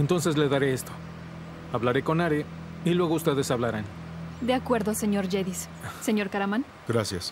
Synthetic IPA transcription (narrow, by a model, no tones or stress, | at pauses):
ent̪o̞nse̞s̬le̞ðaɾe̞est̪o̞ | aβlaɾe̞ko̞naɾe | ilwe̞ɣoust̪e̞ðe̞saβlaɾan | d̪eakwe̞ɾðoseɲo̞ɾʝeðis | seɲo̞ɾkaɾaman | ɡ̥ɾasjas